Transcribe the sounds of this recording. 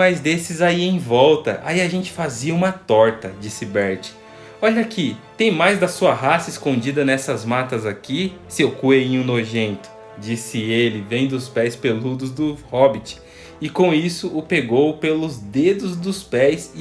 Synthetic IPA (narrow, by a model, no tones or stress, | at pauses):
ɐjzd̪esɪzaiẽj̃vɔwt̪ɐ̰ʔa̰iɐʒẽnt͡ʃɪ̥faziɐũmɐt̪ɔɾt̪ɐd͡ʒisɪbɛɾt͡ʃɪ̥ | ɔʎɐkɪt̪ẽj̃majzd̪ɐsuɐɦasɐɪskõnd͡ʒid̪ɐnɛsɐzmat̪ɐzakisɪowkuejĩjũnoʒẽnt̪ʊ̥ | d͡ʒisɪelɪvẽj̃d̪ʊspɛjspelud̪ʊzd̪ʊhɔbɪt͡ʃɪ̥ | ɪkõw̃isʊʔʊpeɡowpelʊzd̪ed̪ʊzd̪ʊspɛjsɪ